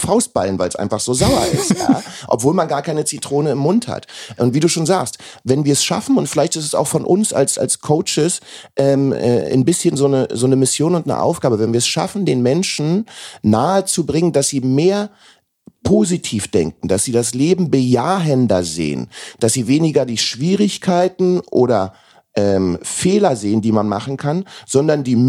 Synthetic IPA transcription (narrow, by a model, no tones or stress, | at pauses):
faʊst̚b̥a̰lənvaɪlsʔa̰ɪnfaχz̥oːzaʊɐʔɪ̰stja̰ːʔɔ̰pv̥oːlmanɡaːɐkʰaɪnət͡sitʁ̥oːnəɪmːʊntha̰tʔʊntv̥iːduːʃoːnzaːkstvɛnviːɐɛsʃa̰fn̩ʊntfɪlaɪçtɪstɛsa̰ʊxfɔnʔʊ̰nsa̰lsa̰lskʰoʊt͡ʃɪsʔɛːmʔɛ̰ːɪ̰nbɪsçənzoːnəzoːnəmɪsjoːnʊntnə̰ʔa̰ʊfɡ̥aːbəvɛnviɐɛsʃa̰fn̩deːnmɛnʃn̩naːət͡subʁɪŋəndasz̥iːmeːɐ | pʰozitʰiːfd̥ɛ̰ŋk̚ŋ̩d̥asz̥iːdasleːbm̩bəjaːɦɛndɐzḛːə̰nd̥asz̥iːveːnɪɡɐdiːʃv̥iːʁɪçkʰaɪtn̩ʔo̰ːɾɐ | ʔɛːmfeːlɐzeːəndiːmanma̰χn̩kʰanz̥ɔndɐndiː